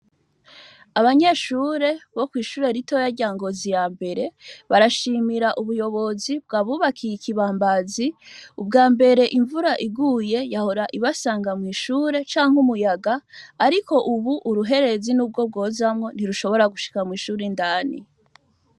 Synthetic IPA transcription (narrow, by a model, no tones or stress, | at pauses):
aβaɲe̞ʃuɾe̞βo̞kwiːʃuːɾe̞ɾitojaɾɟaːŋɡo̞zijaːmbe̞ɾe̞βaɾaʃimiɾaʔuβujo̞βo̞zib̚ɡaːβuβakʰijikiβaːmbaziubɡaːmbe̞ɾe̞ʔiɱvuɾaʔiɡuːje̞jaho̞ɾaʔiβasaːŋɡamŋiːʃuːɾe̞t͡ʃaːŋhumujaɡaːɾiko̞ʔuβuʔːɾuɦe̞ɾe̞zinuːb̚ɡo̞b̚ɡo̞ːzamŋo̞n̥iɾuʃo̞βo̞ɾaɡuʃi̥kamŋiːʃuɾindaːnḭ